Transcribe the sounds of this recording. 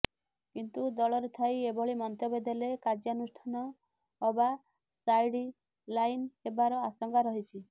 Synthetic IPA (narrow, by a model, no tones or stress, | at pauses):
kint̪ud̪ɔɭɔɾet̪ʰajebɔɭimɔnt̪ɔbed̪elekad͡ʒanusʈʰanɔː | ba | sajɽi | lajnebaɾɔasɔŋɡaɾɔɦit͡ʃʰi